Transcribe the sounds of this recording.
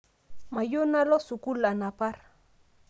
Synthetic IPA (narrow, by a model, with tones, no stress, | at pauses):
ma˨jo˦na˦lɔ˦su˨ku˦la˨na˨pa˦ɾ